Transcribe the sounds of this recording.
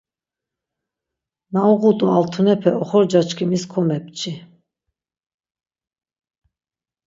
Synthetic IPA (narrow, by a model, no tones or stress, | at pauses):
nauʁut̪ʼualt̪ʰunɛpʰɛɔχɔɾd͡ʒat͡ʃʰkʰimiskʰɔmɛp̚t͡ʃʰi